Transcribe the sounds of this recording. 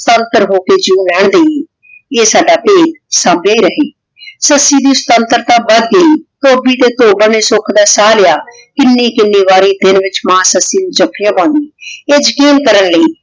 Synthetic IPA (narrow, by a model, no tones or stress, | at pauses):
st̪ənt̪əɾɦoːkeːd͡ʒiũːlɛːɳd̪əie | eːsaːɖaːpeːd̪saːmbeːiːɾəɦeː | səsːiːd̪iːʊst̪ənt̪əɾt̪ãːbəd̪̚ɡəiːt̪oːbiːt̪eːt̪oːbəneːsʊkʰd̪aːsaːlɪjaː | kɪnːẽːkɪnːeːβaːɾeːd̪ɪnʋɪt͡ʃmãːsəsːiːnũːd͡ʒəkʰːɪjãːpãːnd̪iːeːd͡ʒɪkiːnkəɾənləiː